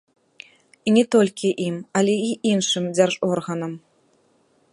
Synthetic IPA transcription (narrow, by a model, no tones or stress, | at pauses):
inʲɛt̪ɔlʲkʲiʔimalʲɛiʔinʂɨmd͡zʲarʐɔrɣɐnɐm